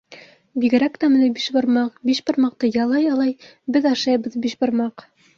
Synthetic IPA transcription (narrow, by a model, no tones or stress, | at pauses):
biɡɘ̆ɾækt̪æmɘ̆nɘbiʃbɤ̆ɾmɑqbiʃbɤ̆ɾmɑq̚t̪ɤjɑlˠɑjɑlˠɑj | bɘðɑʃɑjbɤðbiʃbɤ̆ɾmɑq